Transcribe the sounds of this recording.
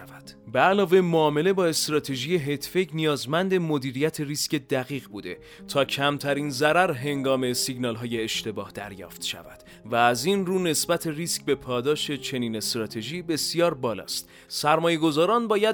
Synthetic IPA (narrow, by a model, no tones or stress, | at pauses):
væd̪̥beælɒːve̞moɒːme̞le̞bɒːe̞st̪ɾɒːt̪ʰe̞ʒije̞ɦet̪ʰfeɟnijɒːzmænd̪e̞mo̞d̪iːɾijæt̪ʰe̞risce̞d̪æɣiːɣbuːd̪e̞̰ | t̪ʰɒːcʰæmt̪ʰæɾinzæɾæɾɦe̞ŋɡɒːme̞siɡnɒːlɦɒːje̞ːʃt̪e̞bɒːhd̪̥æ̰ɾjɒ̰ːft̪ʃæ̰væ̰d̪̥ | væːzinruːne̞sbæt̪ʰe̞riːskbe̞pʰɒːd̪ɒːʃe̞t͡ʃʰe̞niːne̞st̪ɾɒːt̪ʰe̞ʒiːbe̞sijɒːɾbɒːlɒ̰ːst̪ | sæɾmɒːje̞ɡo̞zɒːɾɒːnbɒːjæ